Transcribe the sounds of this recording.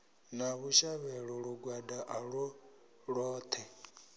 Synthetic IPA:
naβuʃaβɛɺɔɺuɡwadaʔaɺɔ | ɺɔːt̪ʰɛ

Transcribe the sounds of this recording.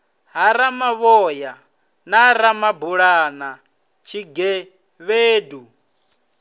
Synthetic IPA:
ɦaɾamaβɔːja | naɾamabuɺana | t͡ʃʰiɡɛ | βeːdu

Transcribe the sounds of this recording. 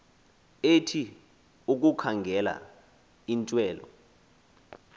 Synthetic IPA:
etʰi | uk̬ʼukʰaŋɡʱɛla̰ | intʼwɛːlɔ̰

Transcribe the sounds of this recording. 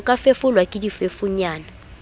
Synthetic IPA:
kʼafefulwakʼidifefuɲaːna

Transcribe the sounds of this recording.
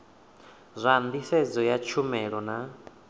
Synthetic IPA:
zʷand̪isɛd͡zɔjat͡ʃʰumɛɺɔna

